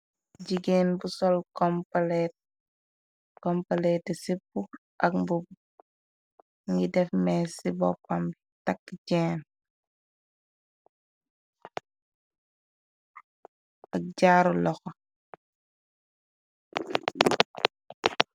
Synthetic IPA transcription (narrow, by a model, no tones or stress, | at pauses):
ɟiɡeːnbusɔlkɔmpalɛt̚ | kɔmpalɛtɛsipːu | ʔɐkmbub | ŋɡidɛfmɛsibɔ̰pːambitakːɟɛːn | ɐk̚ɟaːɾulɔxɔ